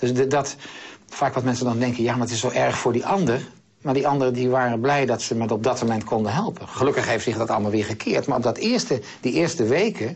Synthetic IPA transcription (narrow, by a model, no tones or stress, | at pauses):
d̥ɵsddɑtfaːkʋɑtmɛnsəndɑndɛŋkəjaːmaɹətɪsːowʔɛɹχfʊːɹdiʔɑndər | maːɹdiɑndərədiʋaːrənblɛjdɑtsəmɛtɔb̚dɑtmomɛntkɔndənɦɛlˠpənχəlɵkəχɦejftsɪχdɑtɑlˠəmalˠʋɪːɹχəkʰɪːɹtmaːɹɔbdɑtɪːɹstə | diʔɪːɹstəʋejkə